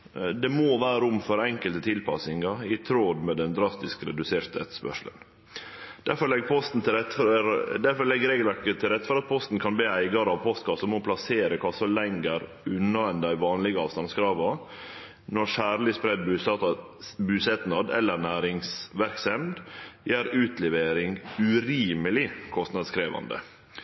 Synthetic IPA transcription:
d̪ɛmoːʋæːɾʊmfɔɾɛŋkəlt̪ət̪ʰɪlpʰɑsɪŋɑɪt̪ʰɾoːd̪mɛd̪ɛnd̪ɾɑst̪ɪskɾɛd̪ʉseːɾt̪ʰɛ̰t̪spœ̰ʂlə̰n | d̪̥æɾfɔɭɛɡpʰɔst̪n̩t̪ɪɛt̪ːd̪æɾfɔɭɛɡɾeːɡəlʋæɾkət̪ʰɪlɾɛt̪ːfɔɾɑt̪̚pʰɔst̪n̩kʰɑnb̪iːæɪɡɑɾɑʋpʰɔst̪kɑsɔmɔpʰlɑseːɾəkʰɑsɔlɛŋɡəɾ | ʉnːɑɛnd̪æɪʋɑːnlɪɡəɑːʋst̪ɑnskɾɑːʋɑ | nɔɾʂæːɾlɪspɾɛd̪̚bʉː | bʉːsɛt̪nɑd̪ɛ̰lːəɾnæːɾɪŋsʋæɾksɛmd̪jæːɾʉːt̪lɛʋeːɾɪŋʉɾiːməlɪkʰɔst̪nɑd̪skɾeːʋɑ̰nd̪ə̰

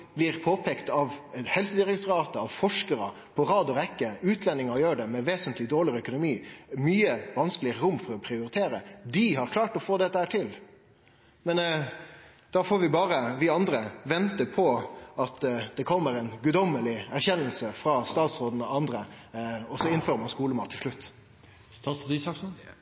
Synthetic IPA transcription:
blɪɾpʰoːpʰɛːkt̪ɑʋhɛlsəd̪ɪɾɛkt̪ʊɾɑːt̪əɑʋfɔʂkəɾə̰ | pʰɔɾɑːd̪ɔɾɛkːəʉːt̪ʰlɛnɪŋɑɔjøːɖɛmɛʋeːsənt̪ʰlɪd̪oːɭɪœkʊnʊmiːmyːəʋɑnskəlɪəɾʊmːfɔɾɔpʰɾɪʊɾɪt̪ʰeːɾəd̪ɪhɑɾkʰlɑːʈɔfoːd̪ɛt̪ːəhæːʈʰɪl | mɛn | d̪̥ɑːfoːɾʋɪbɑːɾəʋɪɑnd̪ɾəʋɛnt̪əpʰɔɑt̪d̪̥ɛkʰɔmːəɾɛɪnɡʉd̪ɔmːəlɪæɾçɛnːəl̩səfɾɑst̪ɑːt̪sɾoːd̪n̩ɔɑnd̪ɾəɔsɔɪnføːɾəmɑnskuːləmɑːt̪ʰːɪlʂlʉt̪ː | ɑd̪sɑ

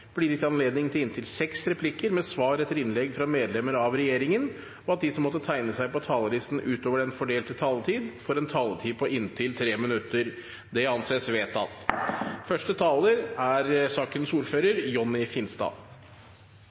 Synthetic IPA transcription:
b̥liɾɪt̪ɑnleːd̪nɪŋt̪ʰɪlɪnt̪ʰɪlsɛksɾɛpʰlɪkəɾmɛsʋɑːɾɛt̪ːəɾɪnlɛɡfɾɑmeːd̪lɛmːəɾɑʋɾɛjeːɾɪŋən | ɔɑt̪̚d̪ɪsɔmːɔt̪ːət̪ʰæɪnəsæɪpɔt̪ʰɑːləɾɪst̪n̩ʔʉːt̪oːʋəɾɛnfɔɖeːlt̪ət̪ʰɑːlət̪ʰiːd̪fɔɾɛnt̪ʰɑːlət̪ʰiːpʰɔʔɪnt̪ʰɪlt̪ʰɾeːmɪnʉt̪ːəɾ | d̪ɛɑnseːsʋeːt̪ʰɑ̰t̪fœʂʈət̪ʰɑːləɾæɾsɑːkənsuːɾføːɾəɾjɔnːɪfɪnst̪ɑ̰ː

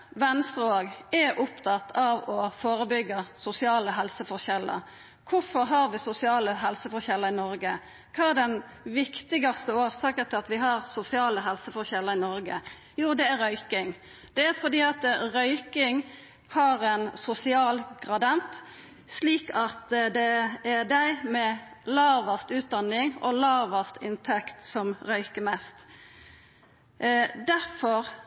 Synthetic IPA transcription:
ʋɛnst̪ɾəoːɡɛɾʔʊpt̪ʰɑt̪ʰːɑʋɔfoːɾəbʏɡːɑsʊsɪɑːləɦɛlsəfɔɾçɛlːə̰ | kʰʊfɔɾɦɑɾʋɪsʊsɪɑːləɦɛlsəfɔɾçɛlːəɾɪnɔɾɡə | kʰɑːæd̪ɛn | ʋɪkt̪ɪɡɑst̪əoːɾsɑːkət̪ʰɪlɑt̪ʋɪɦɑɾsʊsɪɑːləɦɛlsəfɔɾçɛlːəɾɪnɔɾɡə̰ | juːd̪ɛæɾɾœʏkɪŋ | d̪̥ɛæfɔd̪iːɑt̪ʁœʏkɪŋ | hɑʁɛnsʊsɪɑːlɡʁɑd̪ɑnt̪ | sliːkɑt̪d̪ɛæd̪æɪmɛlɑːʋɑst̪ʉːt̪̚d̪ɑnːɪŋɔ̰lɑːʋɑst̪ɪnt̪ʰɛkt̪sɔmʁœʏkəmɛst̪ | d̪æɾfɔɾ

